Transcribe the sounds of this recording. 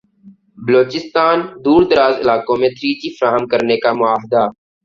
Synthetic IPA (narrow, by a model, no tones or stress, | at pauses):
bəloːt͡ʃɪst̪aːnd̪uːɾd̪əɾaːzɪlaːkõmẽt̪ʰɾiːt͡ʃifəɾaːɦəmkəɾnekamʊaːɦd̪aː